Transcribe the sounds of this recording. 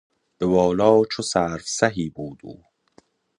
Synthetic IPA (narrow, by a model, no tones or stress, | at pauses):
b̥ebɒːlɒːt͡ʃʰosæːɾfsæɦiːbuːd̪ṵː